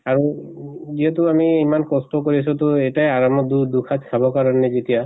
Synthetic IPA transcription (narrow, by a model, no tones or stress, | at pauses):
aɹuziɛtuamiːmankɔstɔkoɹis̬utʊɛjtajaɹamɔd̪ud̪ukʰatsabɔkaɹɔnɛzetija